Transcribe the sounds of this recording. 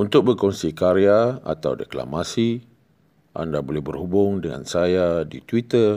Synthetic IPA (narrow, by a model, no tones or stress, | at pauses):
unt̪ʊk̚bərkɔnsikaɾiaa̰t̪awdekla̰masi | ʔa̰ndabolɛhbərhubʊŋdəŋa̰nsajadit̪wit̪ər